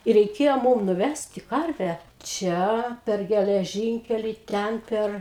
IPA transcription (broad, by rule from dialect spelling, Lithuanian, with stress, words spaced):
ɪ rʲɛɪˈkʲeːjoː ˈmuːm nʊˈʋʲæsʲtʲɪ ˈkɐrʲʋʲæː ˈt͡ʃʲɛ pʲɛr ɡʲɛlʲɛˈʒʲɪŋʲkʲɛlʲiː ˈtʲɛn ˈpʲɛr